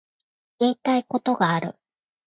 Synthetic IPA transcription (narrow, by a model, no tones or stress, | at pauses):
e̞ːt̪aiko̞t̪o̞ɡaːɾɯ̟̰